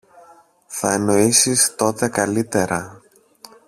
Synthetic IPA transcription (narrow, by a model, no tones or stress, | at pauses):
θɐeno̞isist̪o̞t̪e̞kɐlit̪e̞ɾɐ